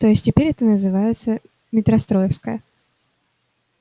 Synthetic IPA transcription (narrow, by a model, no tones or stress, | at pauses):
t̪ojɪsʲtʲɪpʲeɾʲɛt̪ənəzɨvajɪt̪sə | mʲɪt̪ɾɐst̪ɾojɪfskəjə